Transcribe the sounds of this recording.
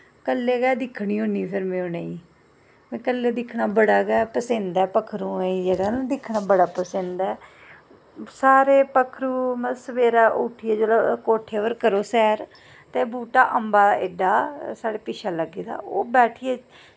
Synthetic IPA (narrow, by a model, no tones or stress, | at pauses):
kəlːeːɡɛːd̪ɪkʰːɽiːɦõːniːpʰɪɾmẽːõːneːĩː | mɛ̃ːkəlːeːd̪ɪkʰnaːbəɽaːɡɛːpəsẽnd̪aːpəkʰɾũːĩːd͡ʒeːɽaːnd̪ɪkʰːnaːbəɽaːpəsẽnd̪aː | saːɾeːpəkʰɾũːmə̃səʋeːɾaːʔʊʈʰieːd͡ʒoːlakoːʈʰːeːʋəɾkəɾoːsɛːɾ | t̪eːbuːʈaːʔəmbaːeɖaːsaːɽeːpɪʃʰaːləɡiːd̪a̰ːo̰ːbɛːʈʰiːeː